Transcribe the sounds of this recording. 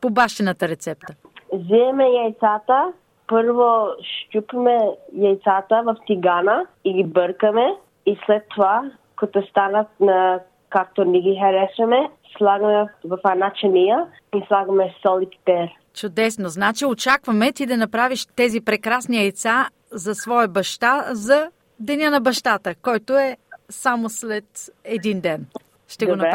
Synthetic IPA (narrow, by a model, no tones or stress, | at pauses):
pobaʃt̪ɛnɐt̪əɾɛt̪sɛp̚t̪ə | ziɛmɛjajt̪sat̪ə | pəɾvoʃt̪ʲupimɛjajt̪sat̪əvɐft̪iɡanəiɡibəɾkəmɛ | islɛt̪ːova | kot̪ost̪anət̪̚nɐ | kak̚t̪oniɡʲixɛɾɛsɛmɛslˠaɡɐmɛvɐfɛnat͡ʃɐnijə | islˠaɡɐmɛsɔlit̪pɛɾ | t͡ʃʊd̪ɛsnoznat͡ʃiot͡ʃakvɐmɛt̪id̪ɐnɐpɾaviʃt̪ɛzipɾɛkɾasniɛt̪sa | zɐsvɔjɐbɐʃt̪azɐ | d̪ɛnʲənɐbɐʃt̪at̪əkɔjt̪oɛsamoslɛt̪ɛd̪ind̪ɛn | ʃt̪ɛɡonɐ